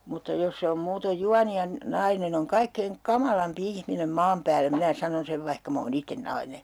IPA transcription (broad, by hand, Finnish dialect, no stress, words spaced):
mutːɑ jos se om muːtoj juɑni jɑ nɑinen oŋ kɑikːeiŋ kɑmɑlɑmpi ihminem mɑːm pæːlːæ minæ sɑnon seʋ ʋɑihkɑ m oːn itːen nɑine